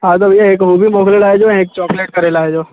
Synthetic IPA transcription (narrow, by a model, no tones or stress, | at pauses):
aːd̪ɐbjaeːkɦuːbimoːklelaːed͡ʒõːeːk̚t͡ʃɔːkleːʈ̚kɐɾelaːed͡ʒoː